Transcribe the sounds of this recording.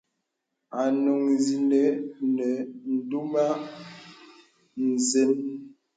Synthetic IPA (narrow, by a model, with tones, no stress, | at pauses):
a˨no˨ŋzi˨ne˨˦nɛ˨n̩˨du˦ma˦ | n̩˨ze˦n